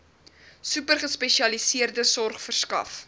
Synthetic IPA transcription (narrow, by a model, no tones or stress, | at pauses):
sʉpərχəspɛʃiɐlisiərdəsɔrχfərskɐ̰f